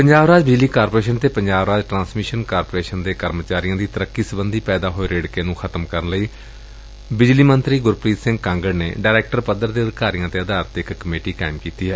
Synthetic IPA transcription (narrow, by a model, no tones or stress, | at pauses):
pəɲd͡ʒaːʋɾaːd͡ʒbɪd͡ʒliːkaːɾpoɾeːʃənt̪eːpəɲd͡ʒaːʋɾaːd͡ʒʈɾãːsmɪʃənkaːɾpoːɾeːʃənd̪eːkəɾmt͡ʃaːɾijãːd̪iːt̪əɾəkːiːsəbənd̪iːpɛːd̪aːɦoːeːɾeːɽkeːnũːxʰət̪əmkəɾənləiː | bɪd͡ʒliːmənt̪ɾiːɡʊɾpɾiːt̪sɪ̃ŋɡkãːŋɡəɽnḛːɖaːɾɛːk̚ʈəɾpəd̪əɾd̪eːəd̪kaːɾijãːt̪eːəd̪aːɾət̪ɪkːəmeːʈiːka̰ːɪmkiːt̪iːɦɛː